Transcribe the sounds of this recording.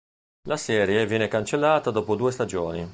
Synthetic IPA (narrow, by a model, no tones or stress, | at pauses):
lasɛːɾjevjɛːnekant͡ʃelːaːt̪ad̪ɔːpod̪uːest̪ad͡ʒoːni